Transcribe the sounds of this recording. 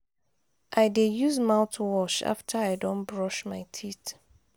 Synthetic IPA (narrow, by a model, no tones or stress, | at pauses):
ʔaɪdejuzmãʊtʰuwɔʃa̰ftʰəaɪdɔ̃nbɹɔʃmaɪtʰit